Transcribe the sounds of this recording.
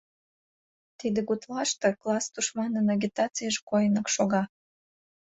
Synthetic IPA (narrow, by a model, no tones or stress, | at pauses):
t̪id̪eɣut̪lɑʃt̪eklˠɑst̪uʃmɑnənɑɡʲit̪ɑt͡sijəʒkojənɑkʃoɣɑ